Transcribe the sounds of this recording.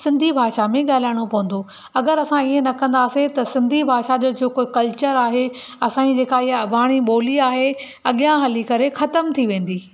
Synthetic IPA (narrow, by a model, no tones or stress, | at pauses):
sɪ̃nd̪ʱibʱaːʃamẽɠaːlaɪɽ̃opɐʋə̃n̆d̪o | ɐɡəɾɐsãiːẽnɐkɐ̃nd̪aːset̪ɐsɪ̃nd̪ʱibʱaːʃad͡ʑoːd͡ʑoːkoːɪkɐlt͡ɕəɾaːɦe | ɐsãːid͡ʑeːkaɪɦaɐbʱaːɽ̃iɓoːliaːɦe | ɐɠijãɦɐlikɐɾexɐt̪əmt̪ʰiʋẽːn̆d̪iː